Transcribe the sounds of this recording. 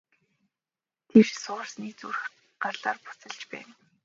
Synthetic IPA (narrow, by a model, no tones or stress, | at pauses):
t̪ʰewʃsʊ̆ːrsniːt͡surx | ɢ̥arɮaːrpʊ̥t͡sə̆ɮt͡ɕpæ̰ːn